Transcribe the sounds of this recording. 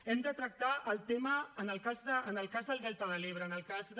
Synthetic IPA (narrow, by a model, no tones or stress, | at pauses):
ɛmd̪ət̪ɾək̚t̪aʔəlˠt̪eməːnəlkazðəːnəlˠkazðəlˠd̪ɛlt̪əðəleβɾəːnəlkaz